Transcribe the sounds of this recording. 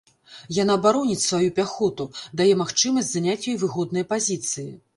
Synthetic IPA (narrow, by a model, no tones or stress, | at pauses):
janaːbaɾɔnʲit͡sʲsvajupʲaxɔt̪ud̪ajɛmaxt͡ʂɨmɐsʲt͡sʲzanʲat͡sʲjɔjvɨɣɔd̪nɨjɐpazʲit̪sɨji